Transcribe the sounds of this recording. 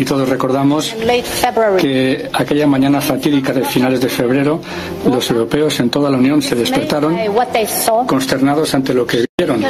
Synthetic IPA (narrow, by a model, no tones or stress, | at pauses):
it̪o̞ð̞o̞zre̞ko̞ɾðamo̞slefɛbɹkeake̞ʎamãɲãnafat̪iðikaðe̞finale̞zðe̞fe̞β̞ɾe̞ɾo | lo̞se̞wɾo̞pe̞o̞se̞nt̪o̞ð̞alaunjõ̞nse̞ðe̞speɾt̪aɾo̞ŋwɔt̪esɔko̞nst̪e̞ɾnað̞o̞sant̪e̞lo̞keβeɾo̞n